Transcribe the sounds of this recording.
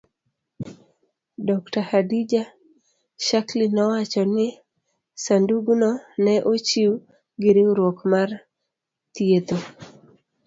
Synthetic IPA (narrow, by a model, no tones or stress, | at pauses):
dɔktahadid͡ʒa | ʃaklinɔwat͡ʃɔnɪ | sanduɡunɔnɛʔot͡ʃiu | ɡɪɾiɾwokmar | t̪jet̪o